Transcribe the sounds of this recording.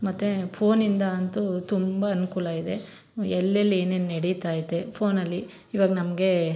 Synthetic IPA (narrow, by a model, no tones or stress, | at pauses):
mɐt̪ːepʰo̞ːnind̪ɐːnt̪ut̪umbɐːnukuːlɐid̪e̞ | ɛlːɐlːieːneːnneɽit̪aːjit̪ːepʰoːnɐlːiː | ʋaːɡɐnɐmɐɡe̞